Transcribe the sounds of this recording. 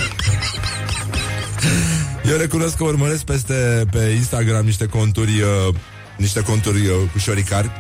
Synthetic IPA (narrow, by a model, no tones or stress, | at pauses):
jewre̞kuno̞skːəurməɾe̞sk̚pest̪e̞pe̞inst̪aɡɾamniʃt̪e̞ko̞nt̪urʲ | niʃt̪e̞ko̞nt̪urʲkuʃoɾikarʲ